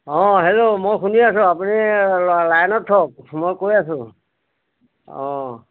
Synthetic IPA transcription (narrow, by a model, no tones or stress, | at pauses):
ɦɔ̃ɦelomɔjkuniasũapunilajnɔʈʰːɔk̚mɔjkoiasũ | ɔ̰̃